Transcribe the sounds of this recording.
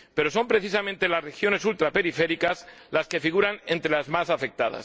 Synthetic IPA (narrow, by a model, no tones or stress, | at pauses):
pe̞ɾo̞so̞mpɾe̞θis̬amẽnt̪e̞lasre̞xjo̞nesult̪ɾape̞ɾife̞ɾikazlaske̞fiɣ̞uɾanẽnt̪ɾelazmasafe̞k̚t̪a̰ð̞a̰s